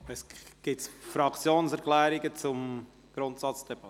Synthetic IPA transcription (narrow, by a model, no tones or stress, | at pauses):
ɛsɡ̥ɪtsfɾɑkt͡sjoːnsɛɾklɛːɾɪɡət͡sʊm | ɡ̥ɾʊntsɑt͡sd̥ɛb̥ɑt